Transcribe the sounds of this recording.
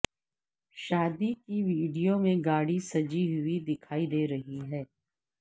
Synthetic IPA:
ʃaːd̪ikiʋiːɖijomẽɡaːɽisɐd͡ʒiɦʊid̪ɪkʰaːid̪eːɾɐɦiɦɛː

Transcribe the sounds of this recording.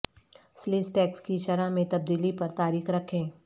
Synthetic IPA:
slɪsʈɛːkskiʃɐɾamẽt̪ɐb̚d̪iːlipɐɾt̪aːɾiːxɾɐkʰẽː

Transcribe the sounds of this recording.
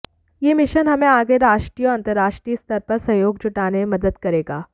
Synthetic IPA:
jeːmɪʃənɦɐmẽaːɡeɾaːʃʈɾijɔɾɐ̃nt̪əɾːaːʃʈɾiːst̪əɾpɐɾsɐjoːɡd͡ʒʊʈaːneemɐd̪əd̪kɐɾeːɡaː

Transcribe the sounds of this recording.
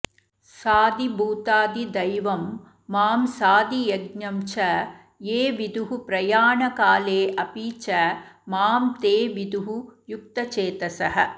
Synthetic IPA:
saːd̪ibʱuːt̪aːd̪id̪ɐjʋɐmː | aːmsaːd̪ijɐɡɲɐmt͡ʃɐ | jeːʋid̪uɦupɾɐjaːɳɐkaːleːʔɐpiːt͡ʃɐmaːmt̪eːʋid̪uɦujuk̚t̪ɐt͡ʃeːt̪ɐsɐɦɐ

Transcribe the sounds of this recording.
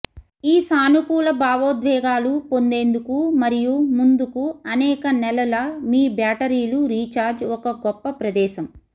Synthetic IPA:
iːsaːnukuːlɐbaːʋoːd̪ʋɛːɡaːlupo̞nd̪e̞ːnd̪ukumɐɾijumund̪ukuɐnɛːkɐnɛlɐlɐmiːbjaːʈɐɾiːluɾiːt͡ʃaːɾd͡ʒɔkɐɡɔpːɐpɾɐd̪ɛːʃɐm

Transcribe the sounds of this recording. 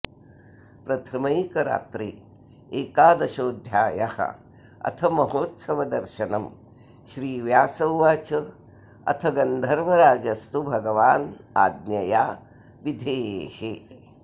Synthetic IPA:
pɾɐt̪ʰɐmɐjkɐɾa̰ːt̪ɾḭ | eːkaːd̪ɐʃoːd̪ʱjaːjɐhɐ̰ | ɐ̰t̪ʰɐmɐɦoːt̪sɐʋɐd̪ɐɾʃɐnɐm | ʃɾiːʋjaːsɐwʋat͡ʃɐ | ɐ̰t̪ʰɐɡɐnd̪ʱɐɾmɐɾaːd͡ʒɐst̪ubʱɐɡɐʋaːnaːd̪njɐjaː | ʋid̪ʱeːeːhe

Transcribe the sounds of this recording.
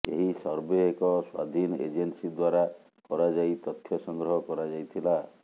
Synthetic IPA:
ḛɦisɔɾbeekɔswa̰d̪ʱinɔʔḛd͡ʒensid̪waɾa | pɔɾad͡ʒajt̪ɔt̪ʰːjɔsɔŋɡɾɔɦɔkɔɾad͡ʒajt̪ʰila

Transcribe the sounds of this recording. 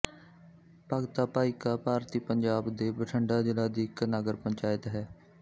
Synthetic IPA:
paːɡt̪aːpaːikaːpaːɾt̪iːpəɲd͡ʒaːbd̪eːbəʈʰəɳɖaːd͡ʒɪlaːd̪iːknəɡəɾpə̃ɲt͡ʃaːjət̪ɦɛː

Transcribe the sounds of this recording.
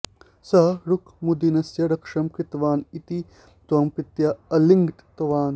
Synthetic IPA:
sɐɾukmud̪inɐsjɐɾɐkʂɐmkit̪ʋaːnit̪i | t̪uɐmpit̪jɐɐliŋɡʈt̪ɐʋaːn

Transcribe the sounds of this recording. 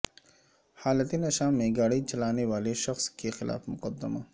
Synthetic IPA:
haːlət̪enɐʃaːmːẽɡaːɽit͡ʃɐlaːneʋaːleʃɐxskexɪla̰ːfmʊqəd̪ːəma̰ː

